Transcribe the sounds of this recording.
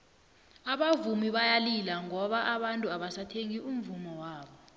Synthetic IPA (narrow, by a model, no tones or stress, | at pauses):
aɓavumiɓajalilaŋɔɓaʔaɓantʼuaɓasatʰeŋiʔumvumɔwaːɓɔ